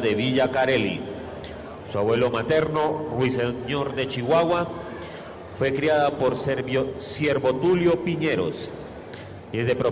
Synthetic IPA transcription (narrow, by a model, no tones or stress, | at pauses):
ðe̞βiʝakaɾelḭ | suaβwe̞lo̞mat̪e̞ɾnorwiseɲo̞ɾd̪e̞t͡ʃiɣwaɣwa | fwe̞kɾiaðapoɾssje̞ɾβot̪uljo̞piɲeɾo̰s | iezd̪e̞pɾo